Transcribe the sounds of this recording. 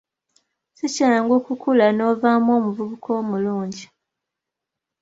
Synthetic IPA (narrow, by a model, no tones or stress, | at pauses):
sicaːŋɡokukulano̞ːvaːmwo̞ːmuvuβukʰo̞ːmuluːɲɟi